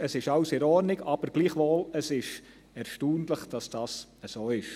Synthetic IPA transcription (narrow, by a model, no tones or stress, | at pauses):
əsɪʃɑwseɾɔɾnɪɡɑb̥əɾɡ̥liːχʋoːləsɪʃ | ɛɾʃtuːndləχd̥ɑsd̥ɑːsəsoːɪʃ